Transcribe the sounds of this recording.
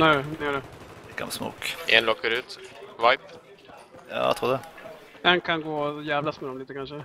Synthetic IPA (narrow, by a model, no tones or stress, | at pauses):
nɛːnɪɛɖɛɛka̰msmo̰ːkʔɛ̰nlɔkːaɾʉ̟ːt̪vajp | jɑ̰ːt̪ʰɾuːd̪ɛ | ɛnkʰanɡoːjæːvlasmɛd̪ɔmliːt̪əkʰanʂə